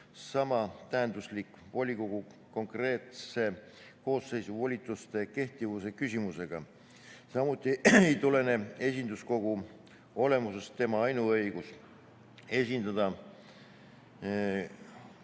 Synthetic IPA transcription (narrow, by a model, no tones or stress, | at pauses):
sɑmɑt̪æɦend̪uslik | vo̞lʲːiko̞ɡ̥u | ko̞ŋkre̞ːt̪se̞ | ko̞ːsːe̞jsuvo̞lʲit̪ːˑust̪e̞ke̞ht̪ivuse̞kysʲimuse̞ɡ̥ɑ | sɑmut̪ˑːiejt̪ule̞ne̞e̞s̬ʲind̪usko̞ɡ̥u | o̞le̞muse̞stt̪e̞mɑɑjnuɤjɡ̥us | e̞sʲind̪ɑd̪̥ɑ